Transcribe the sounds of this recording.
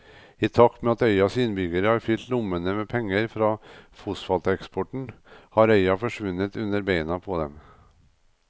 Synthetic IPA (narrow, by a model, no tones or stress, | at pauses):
ɪt̪ʰɑkːmɛɑt̪œʏɑsɪnbʏɡəɾəhɑɾfʏlt̪lʊmːənəmɛpʰɛŋːəɾfɾɑːfusfɑlt̪əɛkspɔʈɳ̩hɑɾœʏɑfɔʂʋʉnːət̪ʉnːəɾbeɪnɑpʰɔd̪ɛ̰m